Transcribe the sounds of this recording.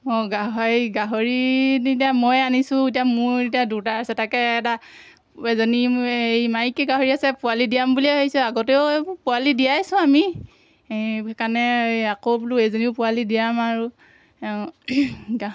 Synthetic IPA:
ɔɡaɦaɡaɦoɹinitiamɔjanisʊ̃itijamʊɹitijadutaasɛtakɛːta | ɛzɔniejmaikɛɡaɦoɹiasɛpualidijambuliɦojsɛaɡɔteʊpualidijajsʊ̃ami | kanɛakobuluezoniʊpʊalidijamaɹu | ɡa

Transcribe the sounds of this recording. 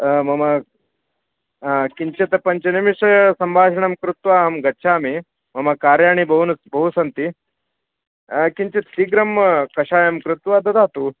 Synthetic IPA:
mɐmɐ | kiɲt͡ʃɐt̪ɐpɐɲt͡ʃɐnimiʂɐsɐmbʱaːʂɐɳɐmkɾut̪ʋaːɦɐmɡɐtːʃʰaːmi | mɐmɐkaːɾjaːɳ̃ibɐɦunɐsbɐɦusɐnt̪i | kiɲt͡ʃit̪iɡɾɐmːɐkɐʂaːjɐmkɾut̪ʋad̪ɐd̪aːt̪u

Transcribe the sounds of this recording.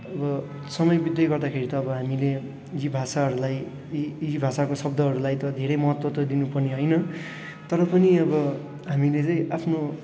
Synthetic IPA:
ʌbʌ | sʌmʌjbid̪jʌɡʌrd̪akʰeɾit̪ʌːbʌɦamile | jibʱasaɦʌɾulaj | ibʱasakosʌb̚d̪ʱʌɦʌɾulajt̪ʌd̪ʱeɾʌjmʌɦʌt̪wʌt̪ʌd̪inupʌrniɦʌjnʌ | t̪ʌɾʌpʌniʌbʌ | ɦamilet͡saĩapʰno

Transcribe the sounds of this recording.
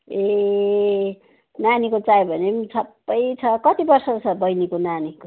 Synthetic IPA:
e | nanikot͡sajbʱʌnemsʰʌpːʌjt͡sʰʌkʌt̪ibʌrsʌt͡sʰʌbʌjnikonaniko

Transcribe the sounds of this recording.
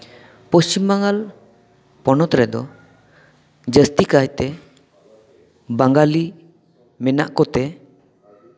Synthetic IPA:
pəst͡ʃimaŋal | pɔnɔt̪ɾɛd̪ɔ | d͡ʒəst̪ikajt̪ɛ | baŋɡali | mɛna̰ʔkɔt̪ɛ

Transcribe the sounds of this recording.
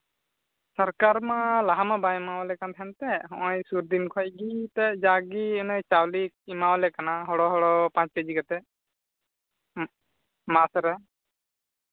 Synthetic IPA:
saɾkaɾmalaɦamabajimawlɛkant̪ʰant̪ɛɦɔ̃ʔɔ̃jsuɾd̪inkʰɔjɡit̪ɛd͡ʒaɡiɛnɔjt͡ʃawlik̚imawlɛkanaɦɔɽɔɦɔɽɔpãt͡ʃkəd͡ʒikat̪ɛ | masɾɛ

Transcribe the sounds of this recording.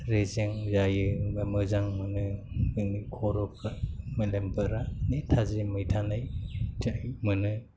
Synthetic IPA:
ɾezeŋzajɯbamɯzaŋmɯnɯɯnikʰɔɾɔkʰamɯlembɯɾanetʰazimɯjtʰanajtʰajmɯnɯ

